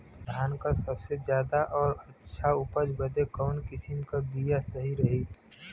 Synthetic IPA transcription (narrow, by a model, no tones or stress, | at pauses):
d̪ʱaːnkasɐbsezjaːd̪aʔɔːɾɐtːʃʰaʊpəd͡ʒbəd̪ekɔːnkɪsɪmkabijasɐɦiɾɐɦi